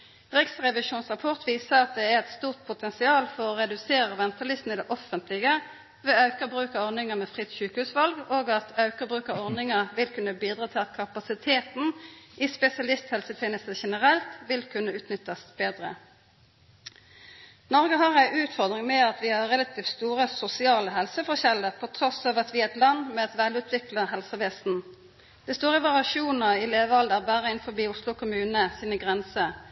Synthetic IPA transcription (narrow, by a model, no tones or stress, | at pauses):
ʁɪksʁɛʋɪʃuːnsʁɑpʰɔʁt̪ʰʋiːsəʁɑt̪̚d̪ɛæʁɛt̪st̪uːʁt̪̚pʰʊt̪ʰɛnsɪɑːlfɔʁɔʁɛd̪ʉseːʁəʋɛnt̪əlɪsn̩ɪd̪ɛʔɔfənt̪lɪɡə | ʋɛɑʉkəʁbʁʉːkɑɔʁnɪŋəmɛːfʁɪt̪ːʃʉːkəhʉːsʋɑlɡoːɡɑt̪ɑʉkəbʁʉːkɑɔʁnɪŋəʁʋɪlkʉnːəbiːd̪ʁɑːt̪ʰɪlɑt̪kʰɑpɑsɪt̪ʰeːt̪n̩ispɛsɪɑlɪst̪hɛlsət̪ʰeːnəst̪əʃɛnəʁɛlt̪ʋɪlkʰʉnːəʉːt̪nʏt̪ːəsb̥eːd̪ʁə̰ | nɔʁɡəɦɑʁæɪʔʉːt̪fɔʁd̪ʁɪŋmɛɑt̪ʋɪhɑʁɛlɑt̪ʰiːft̪st̪uːʁəsʊsɪɑːləɦɛlsəfɔʁɕɛlːəʁpʰɔt̪ʰʁɔsɑːʋɑt̪ʋɪɛt̪lɑnmɛɑt̪ʋæːlʉːt̪ʰʋɪkləɦɛlsəʋeːsn̩ | d̪̥ɛɪst̪uːʁəʋɑʁɪɑʃuːnəɪleːʋəɑld̪əʁbæːʁəɪnfɔbiːʊslʊkʰʊmʉːnəsiːnəɡʁɛnsə